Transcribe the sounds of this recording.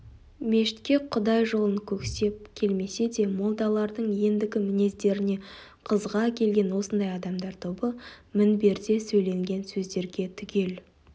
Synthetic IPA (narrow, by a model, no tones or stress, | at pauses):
me̞ʃɪ̥t̪kʲe̞qʰʊd̪ɑjʒo̞lˠəŋkʲʰɵkse̞p̚kʲʰe̞lme̞se̞d̪e̞mo̞lˠd̪ɑlˠɑɾd̪əɴje̞nd̪ɪɡʲɪmɪne̞zd̪e̞ɾɪne̞ | qʰəzʁɑkʲʰe̞lɡʲe̞nwo̞sənd̪ɑjɑd̪ɑmd̪ɑɾt̪ʰobəmɪnbe̞ɾd̪e̞sɵjle̞ŋɡʲe̞nsɵzd̪e̞ɾɡʲe̞t̪ʰʏkʲe̞l